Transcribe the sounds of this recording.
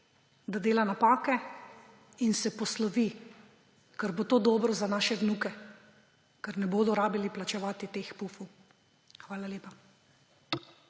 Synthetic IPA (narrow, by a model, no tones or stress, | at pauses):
d̪ad̪eːlanapaːkɛ | insɛpɔslɔʋi | kaɾbot̪oːd̪ɔːbɾɔzanaːʃɛʋnukɛ | kaɾnɛboːd̪ɔɾaːbiliplat͡ʃɛʋaːt̪it̪eːxpufuw | xʋaːlaleːpa